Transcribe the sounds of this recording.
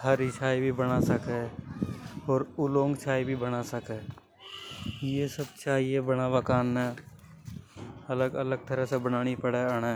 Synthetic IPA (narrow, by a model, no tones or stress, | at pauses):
həɾɪʃʰaːibʱibənasəke | ɔːɾʊlõːŋɡt͡ʃʰaːibʱibənasəkɛː | jesəb̚t͡ʃaːiebənaakaːnːẽː | ələɡə̰ləɡ̚t̪əɾəsebənaːñipəɽeəɽ̃eː